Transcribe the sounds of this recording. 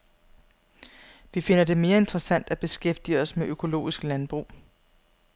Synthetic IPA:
ʋife̝n̰ɐd̥e̝me̝ːɐe̝nd̥ʁɐsæn̰d̥æb̥e̝sɡ̥efd̥iɒ̽smeʔøkʰo̝lo̝̰ːisɡ̥lænb̥ʁṵː

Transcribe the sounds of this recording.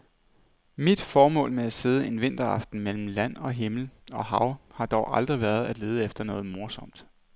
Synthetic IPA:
mid̥fɒːmɔ̰̽ːlmeæse̝ːð̞ˠəe̝nʋe̝n̰d̥ɐɑ̈fd̥n̩mel̰m̩læn̰ɒ̽ɦe̝ml̩ɒ̽hɑ̈ʊhɑ̈d̥ɒʊʔɑ̈ld̥ʁiʋæɐð̞̩ˠæd̥le̝ːð̞̩ˠəefd̥ɐnɔ̽ːð̞̩ˠmo̝ɐsɒ̽m̰d̥

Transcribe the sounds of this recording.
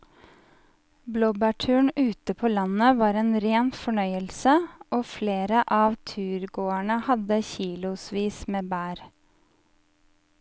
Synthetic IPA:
bloːbæːʈʰʉːɳʉːt̪əpʰoːlɑnəʋɑːɾeːnɾeːnfɔɳœʏəlsəoːfleːɾəʔɑːʋt̪ʰʉːɾɡoːæɳəhɑd̪əçiːlʊsʋiːsmeːbæːɾ

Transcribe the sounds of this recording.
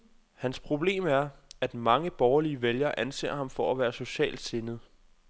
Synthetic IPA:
hænspʰʁo̝b̥le̝̰ːmæɐæd̥mɑ̈ŋəb̥ɒːɐliəʋeljɐːʔænse̝̰ːɐ̰hɑ̈mfɒ̽æʋæːɐso̝ɕɛ̰ːld̥se̝nð̩ˠ

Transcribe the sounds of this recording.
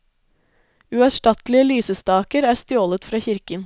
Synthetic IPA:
ʉɑʃʈɑt̪lɪəlyːsəst̪ɑːkəɾæːɾst̪joːlət̪fɾɑːçɪɾkən

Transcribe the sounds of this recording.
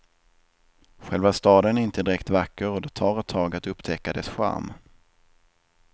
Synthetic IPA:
ɧɛlvast̪ɑːd̪ənæɾɪnt̪əd̪ɪɾɛkt̪vakːəɾɔd̪ɛt̪ʰɑːɾɛt̪ʰːɑːɡat̪ɵpːt̪ʰɛkːad̪ɛsɧa̰ɾm

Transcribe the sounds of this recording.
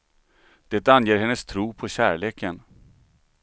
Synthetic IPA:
d̪̥ɛt̪ːanjeːɾhɛnːəst̪ʰɾuːpʰɔɕæːɭeːkən

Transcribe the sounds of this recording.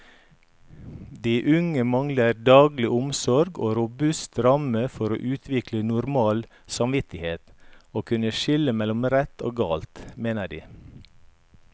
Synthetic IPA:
d̪iːʔʉŋəmɑŋləɾd̪ɑːɡlɪʔʊmsɔɾɡo̰ːɾʊbʉst̪ɾɑməfɔɾo̰ːʔʉːt̪ʰʋɪklənʊɾmɑːl | sɑmʋɪt̪ɪheːt̪oːkʰʉnəʃɪləmɛlʊmɾɛt̪ʰo̰ːɡɑːlt̪meːnəɖḭː

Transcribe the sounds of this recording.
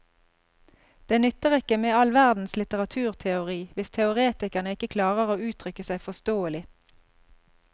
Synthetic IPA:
d̪̥eːnʏt̪əʁɛkəmeːɑlʋæʁd̪n̩slɪt̪əʁɑt̪ʰʉːʁt̪ʰɛʊʁiːʋɪst̪ʰɛʊʁeːt̪ɪkəʁnəɪkəkʰlɑːʁəʁoːʉːt̪ʰʁʏkəsæɪfɔst̪oːəlɪ

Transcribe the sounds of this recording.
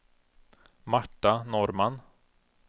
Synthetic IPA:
maʈːanɔɾman

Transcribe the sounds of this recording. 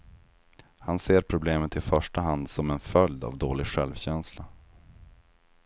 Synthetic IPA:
hanseːɾpʰɾʊbleːmət̪ɪfœʂʈaɦand̪sɔmɛnfœld̪a̰vd̪oːlɪɡɧɛlvɕɛnsla

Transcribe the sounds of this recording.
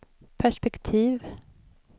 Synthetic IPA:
pʰæʂpɛkt̪ʰiːv

